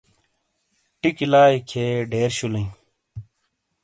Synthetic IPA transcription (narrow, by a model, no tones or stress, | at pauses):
ʈikilaːikʰeːɖʱeːɾɕulə̃ĩ